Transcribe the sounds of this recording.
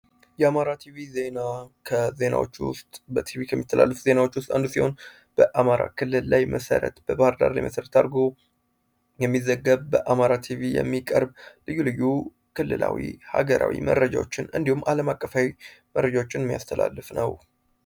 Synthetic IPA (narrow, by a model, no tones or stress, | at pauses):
jɛamaɾat̪ʰivize̞nakʰəze̞na̰wo̞̰t͡ʃːwʊ̰st̪ʼbət̪ʰivikʰəmːit̪ʰːəla̰lːəfze̞nawo̞t͡ʃːwʊst̪ʼand̪usiho̞n | b̥əʔamaɾa̰kʰɨlːɨlːajmʔəsə̰ɾə̰t̪b̥əbahɨɾd̪a̰ɾla̰jmə̰səɾət̪ʰaɾɡo̞ | jɛmːizəɡːəβbəʔamaɾat̪ʰivijɛ̰mːikʼəɾblɨjːulɨjːu | kʰɨlːɨlʔa̰wihaɡəɾʔa̰wḭmə̰rːəd͡ʒawo̞t͡ʃːɪnɨnd̪ihumːaləmakʼːəfawiməɾrːəd͡ʒawo̞t͡ʃːɪnmːijast̪ʰəla̰lːɨfnəw